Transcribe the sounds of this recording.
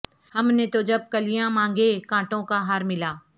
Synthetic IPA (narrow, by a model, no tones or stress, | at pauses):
hɐmnẽt̪od͡ʒɐb̚kɐlijãmãːŋ̆ɡekãːʈõkaɦaːɾmɪlaː